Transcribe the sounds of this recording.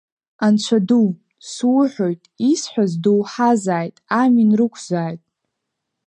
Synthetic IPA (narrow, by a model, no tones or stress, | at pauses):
ant͡ɕʷʰadu | swʊħʷᶣojtʼisħʷᶣazduwħazaːjtʼaminrɨkʷʰzaːjtʼ